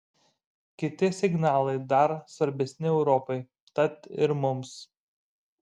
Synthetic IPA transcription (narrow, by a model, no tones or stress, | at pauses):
kʲɪt̪ʲɪsʲɪɡnɑːlˠɐɪd̪ɐɾsʋɐɾʲbʲɛsʲnʲɪɛʊɾɔpɔɪ | t̪ɐt̪ɪɾmʊms